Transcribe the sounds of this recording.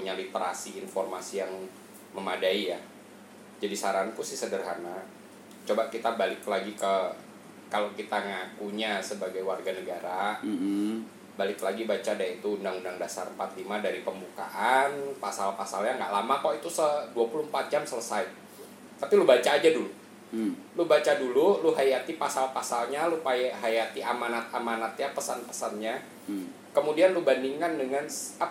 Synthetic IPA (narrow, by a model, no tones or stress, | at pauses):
ɲalit̪əɾa̰siːnformasijaŋ | məmadaija | d͡ʒadisaɾaankusɪhsədərɦana | t͡ʃobakit̪abalɪklaɡikə | kalokit̪aŋakuɲasəbaɡajwarɡanəɡaɾa | balɪklaɡibat͡ʃadait̪uːndaŋundaŋdasaɾəmpat̪limadaɾipəmbuka̰ʔanpasalpasalɲaŋɡa̰ʔlamakɔit̪usəduapuluhm̩pat̪̚d͡ʒamsələsaj | t̪apilubat͡ʃaːd͡ʒadulu | lubat͡ʃadululuɦajat̪ipasalpasalɲalupaɦajat̪iʔamanat̪̚amanat̪̚ɲapəsanpə̥sanɲa | kəmudianlubandiŋkandəŋansa